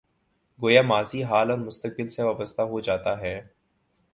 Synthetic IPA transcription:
ɡoːjamaːziɦaːlɔːɾmʊst̪ək̚bɪlseʋaːbəst̪aɦod͡ʒaːt̪aɦɛː

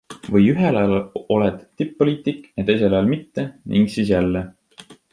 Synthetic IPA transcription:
vɤjyɦelɑlɑo̞led̪̥t̪ːipːo̞liːt̪ikˑjɑt̪e̞js̬e̞lɑjɑlmit̪ːenʔḭŋɡ̥siːs̬jælːe

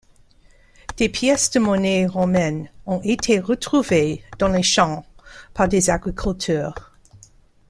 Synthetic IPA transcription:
d̪̥epʰjɛsd̪əmɔneʁomɛnɔ̃ʔet̪ʰeʁət̪χuved̥̪ɑ̃leʃɑ̃paʁd̪ezaɡʁikʰylt̪ʰœːʁ

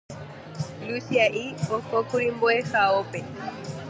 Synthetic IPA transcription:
lusiaʔiɔkɔkuɾimbɔɛxaɔpɛ

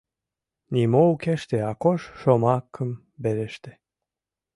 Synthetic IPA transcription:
nʲimoukeʃt̪eɑkoʃʃomɑkʰːəm | beɾeʃt̪e̥

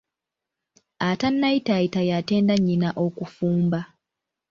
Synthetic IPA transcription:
atanːaitaitajate̞ːndaɲːinaʔo̞kufuːmba

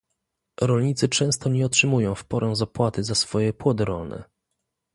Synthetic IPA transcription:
ɾɔlɲit̪sɘt͡ʂɛ̃w̃st̪ɔɲɛɔtʂɘmujɔ̃w̃fpɔɾɛ̃w̃zapwat̪ɘzasfɔjɛpwɔd̪ɪɾɔlnɛ̰

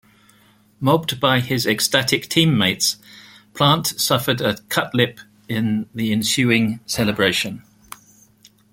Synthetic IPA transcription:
mɒb̚baɪɪzɛkstatʰɪk̚tʰĩːmːeɪts | pʰl̥ɑ̃ˑntsʌfədəkʰʌʔlɪp | ɪ̃nðiɪ̃nsjʉːɪ̃ŋsɛləbɹeɪʃə̃n

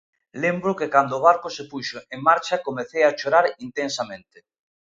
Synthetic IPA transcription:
lembɾokekand̪oːβ̞aɾkosepuʃoʔeŋmːaɾt͡ʃakomeθejaʃoɾaɾint̪ẽnsamẽnt̪e

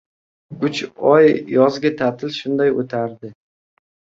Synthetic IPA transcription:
ʊt͡ʃɒjjɒzɡʲat̪ʰat̪ʰɪlʃʊnd̪ajot̪ʰaɾd̪ɪ

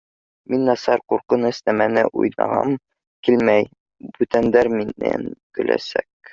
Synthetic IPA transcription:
minːɒsɑɾquɾqɤnɘsnæmænɘʔṵjnɑ̰ʁɑ̰m | kilmæj | bʉt̪ænd̪æɾminːæ̰nkɵ̆lʔæ̰sæ̰k̚

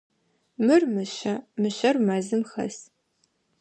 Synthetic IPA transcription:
mɨrmɨɕɐmɨɕɐrmɐzɨmxɐ̰s

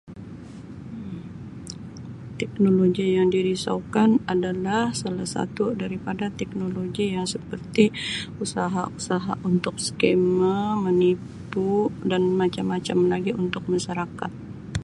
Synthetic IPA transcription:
t̪ɛk̚noloɡijaŋdiɾisa̰ukanadalahsalahsa̰t̪udaɾipadat̪ɛk̚noloɡijaŋsəpərt̪iusaɦa̰usaɦa̰ʔunt̪ʊk̚skemamənippudanmat͡ʃamːat͡ʃamlaɡiunt̪ʊk̚maʃaɾakat̪̚

